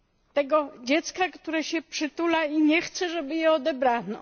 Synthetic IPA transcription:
t̪ɛɡɔd͡ʑɛt̪skakt̪uɾɛɕɛpʂɘt̪ulaiɲɛxt̪sɛʐɛbɘjɛɔd̪ɛbɾanɔ̰

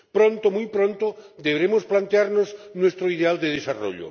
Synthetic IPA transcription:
pɾõnt̪omujpɾõnt̪od̪eβeɾemosplant̪eaɾnoznwest̪ɾoiðeald̪eð̞esaro̰ʎo̰

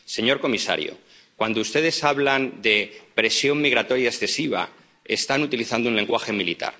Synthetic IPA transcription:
se̞ɲo̞ɾko̞misa̰ɾjo̰ | kwand̪oust̪e̞ð̞e̞saβland̪e̞pɾe̞sjo̞mmːiɣ̞ɾat̪o̞ɾjiaesθe̞siβa̰ | est̪anut̪iliθand̪ounle̞ŋɡwaxe̞milit̪a̰ɾ

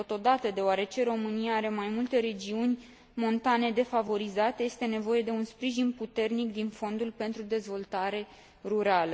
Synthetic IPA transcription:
t̪o̞t̪o̞d̪at̪əd̪e̞oaɾe̞t͡ʃe̞ɾo̞mɨnijaaɾe̞majmult̪e̞ɾe̞d͡ʒiunʲ | mo̞nt̪ane̞d̪e̞favo̞ɾizat̪e̞je̞st̪e̞ne̞vo̞je̞d̪e̞unspɾiʒinput̪e̞rnikd̪info̞nd̪ulʲpe̞nt̪ɾud̪e̞zvo̞lt̪aɾe̞ | ruɾalə

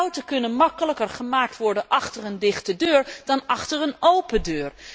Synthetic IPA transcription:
wtəkɵnənmɑkələkərχəmaːk̚tʋɔɹdənʔɑχtərəndɪχtədøːɹd̥ɑnɑχtərənowpədøːɹ

